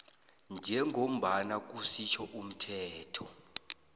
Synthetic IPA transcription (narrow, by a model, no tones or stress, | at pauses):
nd͡ʒʱɛŋʱom̩ɓanak̬usit͡ʃʰɔʔum̩tʰɛːtʰɔ